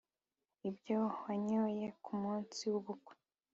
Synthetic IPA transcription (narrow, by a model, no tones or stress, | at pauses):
ibjowaɲoje̞kʰumuːnt͡siwuβukwe̥